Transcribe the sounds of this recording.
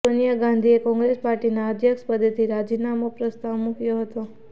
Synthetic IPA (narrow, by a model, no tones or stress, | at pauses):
onijəɡãnd̪ʱiekɔ̃ŋɡɾespaɾʈinaəd̪ʱjəkʃpəd̪et̪ʰiɾad͡ʒinamopɾəst̪aʋmukjoɦət̪o